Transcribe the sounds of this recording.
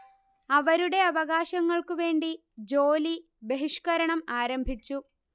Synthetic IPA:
ɐʋɐɾuɽe̞ɐʋɐɣaːɕɐŋːɐɭkuʋe̞ːɳɖi | d͡ʑo̞ːli | be̞ɦiʂkɐɾɐɳɐmaːɾɐmbʱit͡ɕːu

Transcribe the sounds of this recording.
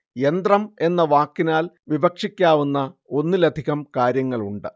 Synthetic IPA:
end̪rɐme̞nːɐʋaːkːinaːl | ʋibɐkʂikʲːaːʋunːɐo̞nːɨlɐd̪ʱiɣɐmkaːɾjɐŋːɐɭuɳɖɨ

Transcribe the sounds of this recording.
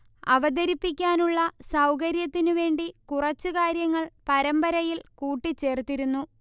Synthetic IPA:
ɐʋɐd̪ɐɾipːik̬ʲːaːnuɭːɐsɐwkɐɾjɐt̪ːinuʋe̞ːɳɖikurɐt͡ɕːukaːɾjɐŋːɐɭpɐɾɐmbɐɾɐjilkuːʈːit͡ɕːe̞ːrt̪iɾunːu

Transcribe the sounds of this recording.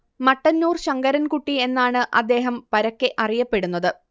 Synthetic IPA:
mɐʈːɐnːuːrɕɐŋɡɐɾɐnkuʈːie̞nːaːɳɨʔɐd̪ːe̞ːɦɐmpɐɾɐkːeʔɐrijɐpːe̞ɽunːɐðɨ

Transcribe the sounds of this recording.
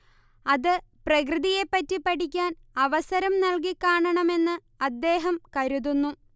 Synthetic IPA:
ɐðɨprɐkrɨðije̞pːɐtːipːɐʈikʲːaːn | ɐʋɐsɐɾɐmnɐlk̬ikːaːɳɐɳɐme̞nːɨ | ɐd̪ːe̞ːɦɐmkɐɾuðunːu

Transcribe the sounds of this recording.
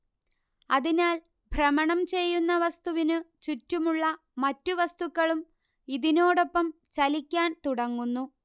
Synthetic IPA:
ɐðinaːl | bʱrɐmɐɳɐmt͡ɕe̞jːunːɐʋɐst̪uʋinɨt͡ɕutːumuɭːɐ | mɐtːuʋɐst̪ukːɐɭum | iðino̞ːɽo̞pːɐm | t͡ɕɐlikʲːaːnt̪uɽɐŋːunːu

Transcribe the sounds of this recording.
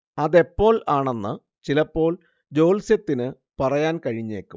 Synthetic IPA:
ɐðe̞pːo̞ːɭaːɳenːɨ | t͡ɕilɐpːo̞ːɭ | d͡ʑo̞ːlsjɐt̪ːinɨ | pɐrɐjaːnkɐɻiɲːe̞ːkːum

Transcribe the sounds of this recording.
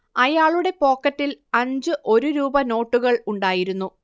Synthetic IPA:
ɐjaːɭuɽe̞po̞ːkːɐtːilɐɲd͡ʑɨʔo̞ɾuɾuːbɐno̞ːʈːuɣɐɭuɳɖaːjiɾunːu

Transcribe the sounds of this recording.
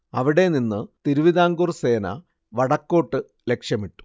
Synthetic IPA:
ɐʋiɽe̞ninːɨt̪iɾuʋiðaːŋɡurse̞ːnɐ̰ | ʋɐɽɐkːo̞ːʈːɨ | le̞kʂjɐmiʈːu̥

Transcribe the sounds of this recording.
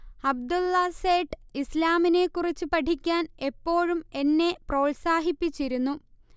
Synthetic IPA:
ɐb̚d̪ulːɐseːʈislaːmine̞kːurit͡ɕːɨpɐʈʰikʲːaːne̞pːo̞ːɻume̞nːe̞pro̞ːɭsaːɦipːit͡ɕːiɾunːu

